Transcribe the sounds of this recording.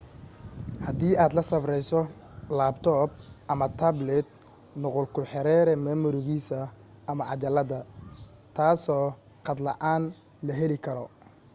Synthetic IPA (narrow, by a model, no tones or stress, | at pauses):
hɐd̪iːaːd̪lɐsɐfrɛjsɔlaːb̚t̪ʰɔːb̚ʔɐmɐt̪ʰɐblɛd̪̚ | nʊqʊlkʰʊħɛɾɛːɾɛmɛːmʊɾʊɣiːsɐː | mɐʕɑt͡ʃɐlɐðɐt̪ʰaːsɔː | qɑd̪lɐ̰ʔaːn | lɐɦɛlɪkʰɐɾɔ̰